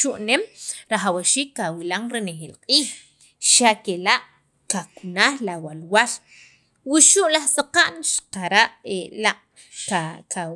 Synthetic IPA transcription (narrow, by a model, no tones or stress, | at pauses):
ʃuʔnemɾaχawaʃiːkːawilaŋɾenexeːlqʼiːx | ʃakelaʔ | kakunaːχlawalwal | wiʃuʔlaχsaqaʔnʃḁqaɾaʔelaʔ | kaka